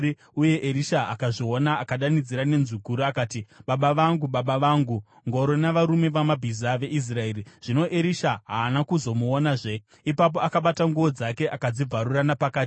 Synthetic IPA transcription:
i | uje̞ʔeɾiʃaakaʐio̞naːkaɗanid͡ziɾane̞nzukuɾuakaːtiɓaɓaʋaŋɡuɓaɓaʋaŋɡu | ŋɡo̞ɾo̞naʋaɾume̞ʋamabʱizaʋe̞ʔis̬rae̞ːriʐ̥ino̞ʔeɾiʃaɦaːnakuzo̞muonaʐe̞ | ipap̬o̞akaɓataŋɡuo̞d͡zake̞ʔakad͡zib͡vʱaɾuranapakaːti

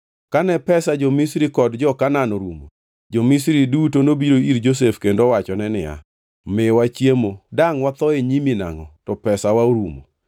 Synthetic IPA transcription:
kanɛpɛsad͡ʒomisɾikɔdd͡ʒɔkananɔɾumo̰ | d͡ʒomisɾidutonobiɾoiɾd͡ʒos̬efkendowat͡ʃɔnɛnɪ̰ja̰ | mɪwat͡ʃjemodaŋwat̪ɔeɲimina̰ŋɔ̰tɔpɛsawaoɾumo̰

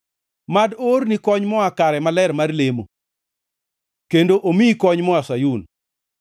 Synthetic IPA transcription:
madornikɔɲmɔakaɾɛmalɛɾmarlemo̰ | kendoʔomikɔɲmɔasajun

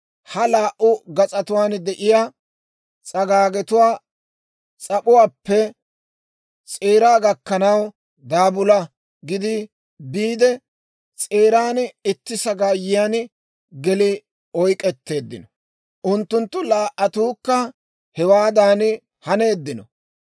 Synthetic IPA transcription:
hɐlaːʔʊɡɐt͡sʼɐt̪ʊwaːnd̪ɛʔɪjaː | t͡sʼɐɡaːɡɛt̪ʊwaː | t͡sʼɐpʊwaːpːɛ | t͡sʼeːɾaːɡɐkːɐnɐw | d̪aːbʊlɐ | ɡɪd̪ɪ | biːd̪ɛ | t͡sʼeːɾaːnɪt̪ːɪsɐɡaːjɪjan | ɡɛlɪ | ɔjkʼɛt̪ːe̞ːd̪ːɪnɔ | ʔʊnt̪ːʊnt̪ːʊlaːʔɐt̪uːkːɐ | hɛwaːd̪aːn | hɐne̞ːd̪ːɪnɔ

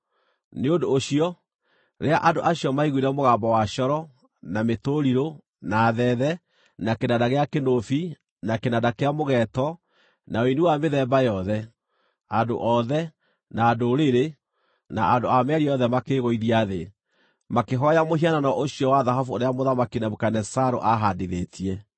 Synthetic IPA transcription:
neodoːɕiɔ | ɾeaʔadoʔaɕjɔmaiɣuiɾɛmoɣambɔwaɕɔɾɔ | nametoɾiɾo | naːðɛðɛ | nakenadaɣeakenofi | nakenadakeamoɣɛtɔ | naoinuwameðɛmbajɔðɛ | ando̰ʔɔðɛ | naːdoɾeɾe | na̰ʔandoamɛɛɾiɔðɛmakeɣoiðiaðe | makeɦɔjamoɦiananɔʔoɕiɔwaðaɦɔfuoɾeamoðamakinamokanɛsaɾo̰ʔaɦandiðetʰiɛ

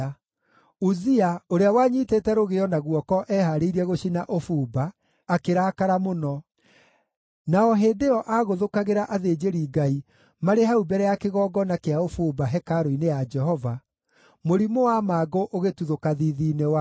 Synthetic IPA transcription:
uziaoɾeawaːɲitetɛɾoɣeɔnaɣwɔkɔʔɛhaɾeiɾiɛɣoɕinaʔofuːbaː | keɾaːkaɾamonɔ | naɔɦeːndeɔʔaɣoðokaɣeɾaʔaðed͡ʒeɾiːɡai | maɾeɦaubɛɾɛjakeɣɔːɡɔnakeaofuːbaɦɛkaɾoinejad͡ʒɛɦɔva | moɾimowamaːɡoʔoɣetuðokaðiðiːnewa

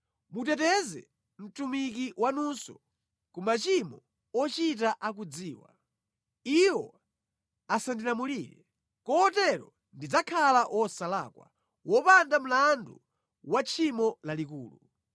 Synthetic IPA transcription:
mut̬ɛtɛzɛ̰ | m̩tumik̬iwanusɔ | kumat͡ʃimɔ | ɔt͡ʃit̬aʔak̬ud͡ziːwa̰ | iwɔ | asandinamuliːɾɛ̰ | kɔːtɛɾɔ | ndid͡zakʰalaʔwɔsala̰ːkwa̰ | wɔpandam̩landu | wat͡ʃʰimɔlalikṵːlu

